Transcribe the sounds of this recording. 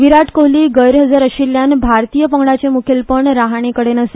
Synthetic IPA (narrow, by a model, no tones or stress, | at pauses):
ʋiɾaʈʰkoɦliːɡəjɾɦəd͡zaɾəɕiljanbʱaɾt̪ijəpəŋɡɽat͡ɕemukʰelpəɳɾaɦaɳ̃ekəɽenəse